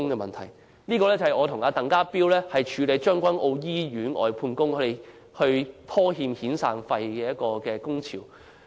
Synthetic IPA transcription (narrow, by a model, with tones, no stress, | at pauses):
ʊ˥ŋkɛː˧mɐ˨nt̪ʰɐ˨˩j | niː˥kɔː˧lɛː˥t͡sɐ˨˩hɐ˨jŋɔː˨˧t̪ʰʊ˨˩ŋaː˨˧t̪ɐ˨ŋkaː˥piː˥wlɛː˥hɐ˨jt͡ʃʰyː˨˧le˨˧jt͡ʃœː˥ŋkʷɐ˥nʔo˧wjiː˥ɥyː˨˥nʔɔ̰ː˨jpʰuː˧nkʊ˥ŋkʰɵ˨˧ɾe˨j | hɵ˧ɥp̪ʰɔː˥ɦiː˧mhiː˨˥nsaː˧ŋfɐ˧jkɛː˧jɐ˥t̚kɔː˧kɛː˧kʊ˥ŋt͡sʰḭː˨˩w